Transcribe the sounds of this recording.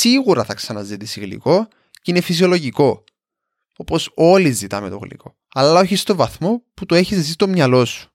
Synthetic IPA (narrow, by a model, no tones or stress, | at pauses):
siɣuɾɐθɐksɐnɐzit̪isiɣlḭko̞ | cinefis̬io̞lo̞ʝiko̞ | o̞po̞so̞lizit̪ɐme̞t̪oɣlḭkʰo̞̰ | ɐlɐo̞çist̪o̞vɐθmo̞put̪oe̞çises̬ist̪o̞mɲɐlo̞su̥